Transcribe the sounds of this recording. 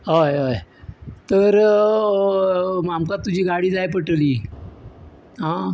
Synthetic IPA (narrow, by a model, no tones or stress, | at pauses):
ɦojəjt̪əɾ | mamkat̪ːud͡ʑʱiːɡaɽiːd͡zajp̬əʈəliː | ɦã